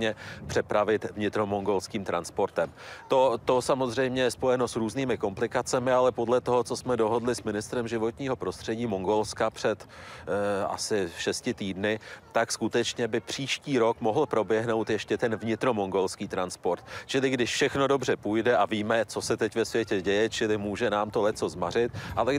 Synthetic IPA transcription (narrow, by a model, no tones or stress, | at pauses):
t̪ɲɛpr̝̥ɛpɾavɪt̪vɲɪt̪ɾo̞moŋɡo̞lskiːmt̪ɾanspo̞ɾt̪ɛmt̪o̞t̪o̞samo̞zr̝ɛjmɲɛjɛspo̞jɛno̞sɾuːzniːmɪko̞mplɪkat͡sɛmɪalɛpo̞dlɛt̪o̞ɦot͡so̞smɛdo̞ɦo̞dlɪsmɪnɪst̪ɾɛmʒɪvo̞t̪ɲiːɦo̞pɾo̞st̪r̝̥ɛɟiːmoŋɡo̞lskapr̝̥ɛt̪ | a̰sɪʃɛscɪt̪iːdnɪt̪akskut̪ɛt͡ʃɲɛbɪpr̝̥iːʃciːɾo̞kmo̞ɦl̩pɾo̞bjɛɦno̞wt̪jɛʃcɛt̪ɛnvɲɪt̪ɾo̞mo̞ŋɡo̞lskiːt̪ɾanspo̞ɾt̪t͡ʃɪlɪɡdɪʃfʃɛxno̞do̞br̝ɛpujdɛʔaviːmɛt͡so̞sɛt̪ɛcvɛsvjɛcɛɟɛjɛt͡ʃɪlɪmuːʒɛnaːmt̪o̞lɛt͡so̞zmarɪt̪ʔalɛ